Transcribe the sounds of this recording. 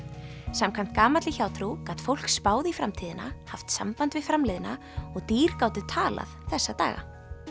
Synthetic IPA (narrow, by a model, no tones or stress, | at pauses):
samkʰam̥t̪̚kaːmat̪lɪçaːwt̪ʰɾukat̪fowl̥kspaːwðɪifɾamt̪ʰiːðɪna̰haft̪sa̰mpant̪vɪðfɾamlɪðɪna | ɔɣt̪iːɾ̥kaːwt̪ʏt̪ʰaːla̰ðθɛsːat̪a̰ːɣa̰